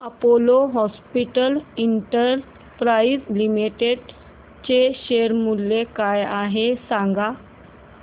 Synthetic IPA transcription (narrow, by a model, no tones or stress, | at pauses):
əpoloɦɔspiʈəliɳʈəɾ | pɾaizlimiʈeɖ | t͡ɕeɕeɾmulːekajaɦesãŋɡa